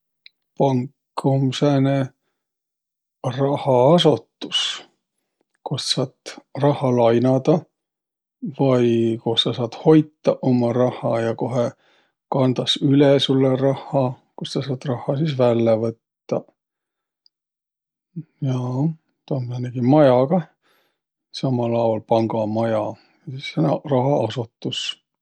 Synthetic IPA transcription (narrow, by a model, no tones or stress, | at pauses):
pɑŋkː | umsene | rɑhɑɑsot̪ːus | kossɑːt̪rɑhɑlɑjnɑd̪̥ɑ | vɑjkossɑsɑːt̪ho̞jt̪ːɑʔomɑɾɑhˑɑjɑko̞ɦe | kɑnd̪̥ɑsylɛsulːerɑhːˑɑ | kossɑsɑːt̪rɑhˑːɑsisvælːevɤt̪ːɑ | jɑ | t̪oneneɡ̥imɑjɑɡ̥ɑ | sɑmɑlɑulpɑŋɡ̥ɑmɑjɑ | sisːenɑ̰rɑɦɑɑsut̪ːus